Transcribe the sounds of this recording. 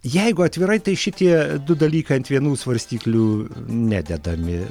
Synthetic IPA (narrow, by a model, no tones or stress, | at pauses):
jɛɪɡʊɐt̪ʲʋʲɪɾɐɪt̪ɐɪʃʲɪt̪ʲiɛd̪ʊd̪ɐlʲiːkɐɪɐnt̪ʋʲiɛnuːsʋɐɾʲsʲt̪ʲiːklʲuːnʲæ̰ːd̪ʲɛd̪ɐmʲɪ